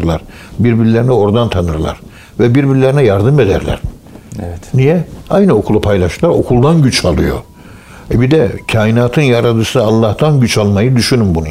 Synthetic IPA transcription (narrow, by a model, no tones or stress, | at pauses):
ɾlˠaɾ | biɾbiɾilʲeɾinɛo̞ɾd̪ant̪ʰanɯɾlˠa̰ɾ̥ | vɛbiɾbiɾilʲeɾinɛjaɾd̪ɯme̞d̪æ̰ɾlʲæ̰ɾ̥ | ɛnijɛajnɯo̞kʰulˠupʰajlʲˠaʃɯɾlˠaɾo̞̰kʰulˠd̪anɟyt͡ʃʰalˠɯjo̞̰ | ɛbid̪ɛcʰaːjinaːt̪ʰɯnjaɾad̪ɯsɯalˠːaht̪ʰanɟyt͡ʃʰalˠmajɯd̪yʃynymbunu